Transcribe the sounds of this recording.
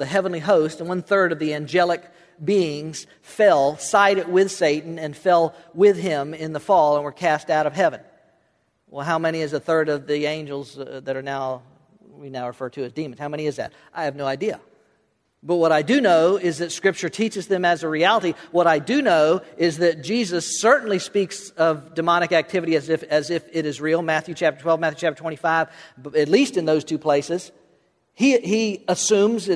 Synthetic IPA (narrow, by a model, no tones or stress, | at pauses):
ðɨɦɛvə̃nliɦoʊstɨ̃n̩wʌ̃nθɜ˞ɾʌvðiæ̃nd͡ʒɛlˠək̚ | b̥iɪ̃ŋz̥ | fɛlˠsaɪɾɨd̚wɪð̥seɪʔn̩ɨ̃nfɛlˠwɪðɪ̃mɪ̃nðəfɔlˠə̃nwə˞kʰæstaʊɾʌv̥ɦɛvɨ̃n | wɛ̰lˠɦaʊmɛñiɨzðəθɜ˞ɾʌvðiẽɪ̃nd͡ʒl̩ˠzðɨɾə˞naʊ | winaʊɹɨfɜ˞ɾʰɨɨzdĩmɨ̃nz̥haʊmɛñiɨzðɨ̰t̚ | ʔaɪɨvnoʊaɪdiə̰ | b̥ʌt̚wʌɾaɪdɨnoʊɪzðɨtskɹ̥ɪp̚t͡ʃə˞tʰit͡ʃɨzðɨ̃mɨzɨɹiælˠəɾiwʌɾaɪdɨnoʊɪzðɨt̚d̥ʒ̥izɨsɜ˞ʔn̩lispiksʌvdɨmɑñɨkæk̚tʰɪvɨɾiɨzɪfɨzɪfɪɾɨzɹilˠmæθjʉt͡ʃʰæp̚tə˞tʰwɛlˠvmæθjʉt͡ʃʰæp̚tə˞tʰwɛ̃ifaɪv̥ɨtˡlistɨ̃nðoʊz̥tʰʉpʰl̥eɪsɨz̥ | iiəsʉ̃mzɨ